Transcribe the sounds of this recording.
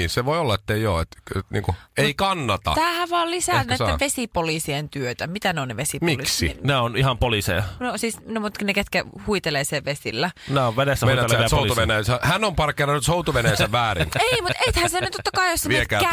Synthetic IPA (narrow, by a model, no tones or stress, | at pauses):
iseʋoiolːɑet̪ːeio̰ːet̪nḭːŋkueikɑnːɑt̪ɑ̰t̪ːhæʋɑːllisæːnnæiːeʋesipolisient̪yøt̪æmit̪æneoneʋesipmioliksḭnæonihɑmpolisḛjɑneosiːsnumut̪kineket̪kæhuit̪eleːseʋʋesḭlːænæoʋʋenesːæhmeeleʋejɑoolisuʋenæjæsæhænːompɑrkːˑeːnɑnyt̪sout̪uʋenæjsæʋʋæːrḭneimut̪et̪hænsenyt̪ot̪ːɑkɑijosːeiekææ